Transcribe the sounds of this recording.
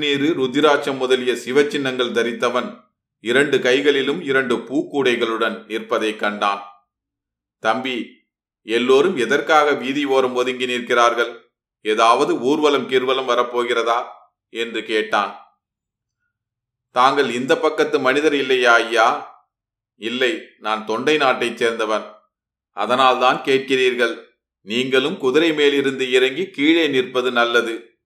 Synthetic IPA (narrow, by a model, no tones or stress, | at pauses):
niːɾɯɾʊd̪ːɪɾaːt͡ʃːɐmːʊðɐlɪjɐsɪʋɐt͡ʃːɪnːɐŋɡɐɭd̪ɐɾɪt̪ːɐʋɐn | ɪɾɐɳɖɯkɐɪɣɐɭɪlɯmɪɾɐɳɖɯpuːkːuːɽɐɪɣɐɭɯɽɐnɪrpɐðɐɪkːɐɳɖaːn | t̪ɐmbi | ɛlːoːɾɯmɛðɐrkaːɣɐʋiːðiʋoːɾɐmɔðɯŋɡɪniɾkɪraːɾɣɐɭ | ɛðaːʋɐðɯuːɾʋɐlɐmkiːɾʋɐlɐmʋɐɾɐpːoːɣɪrɐðaː | ɛndrɯkeːʈːa̰ːn | t̪aːŋɡɐɭɪnd̪ɐpːɐkːɐt̪ːɯmɐnɪðɐɾɪlːɐjaːɐjːaː | ɪlːɐɪnaːnt̪ɔɳɖɐɪnaːʈːɐɪt͡ʃːeːɾnd̪ɐʋɐn | ʔɐ̰ðɐnaːlt̪aːnkeːʈ̚kɪriːɾɣɐɭ | niːŋɡɐɭɯmkʊðɪɾɐɪmeːlɪɾɯnd̪ɯɪɾɐŋɡikiːɻɐɪnɪrpɐðɯnɐlːɐðɯ